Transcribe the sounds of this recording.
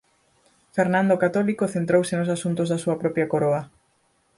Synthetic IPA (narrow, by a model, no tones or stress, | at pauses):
feɾnãnd̪okat̪ɔlikoθent̪ɾowsenosasunt̪ʊzðɐsuɐpɾɔpɾjɐkoɾoɐ